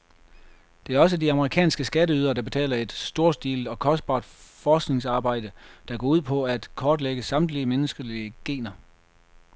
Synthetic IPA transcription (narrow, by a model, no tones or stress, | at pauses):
d̥e̝æɐɒ̽s̬ədiɑ̈məʁikʰɛ̰ːnsɡ̥əsɡ̥æɾəyːð̞ˠɐd̥ɑ̈b̥e̝t͡sʰɛ̰ːlɐe̝d̥sd̥o̝ːɐsd̥iːld̥ɒ̽kʰɒ̽sd̥̚b̥ɑ̰̈ːd̥fɒːsɡ̥ne̝ŋsɑ̈ːb̥ɑ̈ɪ̰d̥əd̥ɑɡ̥ɒ̰ːuð̞̰ˠpʰɒ̽æd̥kʰɒːd̥leɡ̥əsɑ̈md̥liəmenəsɡ̥əliəɡ̥e̝̰ːnɐ